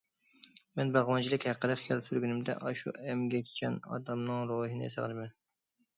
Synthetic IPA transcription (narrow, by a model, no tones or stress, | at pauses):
mɛnbɑʁwɑnt͡ʃʰilˠɪkʲhæqːəd̪ɨχijɑlˠsyɾɡʲynɪmd̪ɛ̰ʔɑʃṵɛmɡʲɛkʲʰt͡ʃʰɛnɑ̰d̪ɑmnɨŋɾoɦɨnɨ̰sɨ̰ʁlɨmɛn